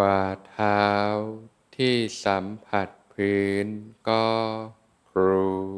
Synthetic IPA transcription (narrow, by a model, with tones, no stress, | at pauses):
waː˧˩t̪ʰaː˦˥w | t̪ʰiː˥˩sa˩˦mpʰa˨˩t̪̚pʰɯː˦˥nkɔː˥˩ | kʰɾuuː˧